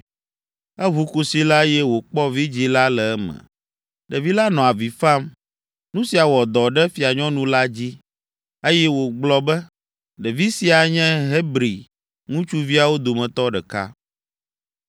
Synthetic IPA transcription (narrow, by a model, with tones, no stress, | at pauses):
ɛ˦βu˦ku˨si˦la˦jɛ˦wo˨k͡pɔ˦vi˦d͡ʑi˦la˦lɛ˨ɛ˦mɛ̰̃˨ | ɖɛ˨vi˦la˦nɔ̃˨a˨vi˨fa˦m | nũ˦si˨a˨wɔ˨d̪ɔ˨ɖɛ˦fi˨a˨ɲɔ̃˦nũ˦la˦d͡ʑi˦ | e˦jɛ˦wo˨ɡ͡blɔ˨bɛ˦ | ɖɛ˨vi˦si˨a˨ɲɛ̃˦ɦe˦bɾi˨ | ŋũ˦t͡ʃu˦vi˦a˨wo˦d̪o˨mɛ̃˨t̪ɔ˦ɖɛ˨ka̰˦